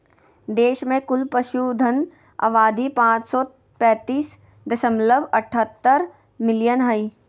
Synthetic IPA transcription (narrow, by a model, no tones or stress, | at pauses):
d̪eːʃmẽkʊlpəʃud̪ʱən | ɐ̰ʋaːd̪ʱipãːt͡ʃsɔː | pɛ̃ːt̪iːs | d̪ɐsəmləbɐʈʰət̪ːəɾ | mɪlijənɦəi